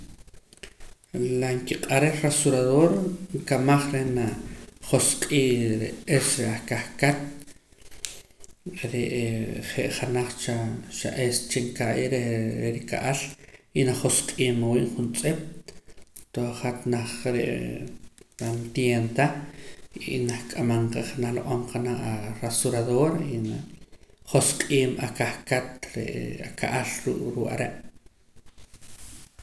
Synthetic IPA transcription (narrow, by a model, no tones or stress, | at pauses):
laŋkiqʼaɾelresuɾaðoɾŋkamaχɾenaχosqʼiːɾeesɾeaχkaχkat̪̚ | ɾeʔχeʔχanaχt͡ʃaʃa̰ʔest͡ʃeŋkaʔḭɾeeɾika̰ʔalinaχosqʼiːmawḭːʔχunt͡sʼep̚ʼ | t̪oχat̪naχɾeʔ | pant̪jent̪a | inaχkʼamaɴqeχanaloʔomqʰanaaɾasuɾaðoɾi | χosqʼiːmakahkat̪ɾḛaka̰ʔalɾṵːkʼɾuʔa̰ɾeʔ